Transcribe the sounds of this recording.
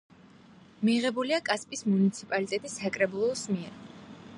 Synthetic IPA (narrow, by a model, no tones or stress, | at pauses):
miʁɛbuliakʼaspʼismunit̪sʰipʼalit̪ʼɛt̪ʼisːakʼɾɛbulˠɔsmiɛɾ